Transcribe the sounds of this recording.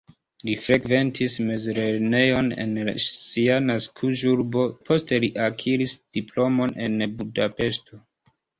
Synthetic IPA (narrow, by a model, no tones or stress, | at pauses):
lifɾe̞ɡve̞ntʰisme̞zɾeɾne̞jo̞nḛn̰ianaskʰuʒuɾbo̞pʰo̞ste̞liʔakʰiɾisd̥iplo̞mo̞ne̞nbudape̞sto̞